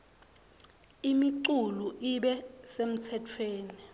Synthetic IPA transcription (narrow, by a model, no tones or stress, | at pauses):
imiǀuluʔiɓɛsem̩tʰɛtʰweːni